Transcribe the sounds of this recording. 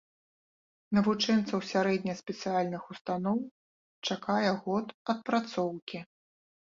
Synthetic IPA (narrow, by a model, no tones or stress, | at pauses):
nɐvut͡ʂɛnt̪sɐwsʲaɾɛd̪ʲnʲɐspʲɛt̪sɨjalʲnɨxust̪anɔw | t͡ʂakajɛɣɔt̪ɐt̪̚pɾat̪sɔwkʲi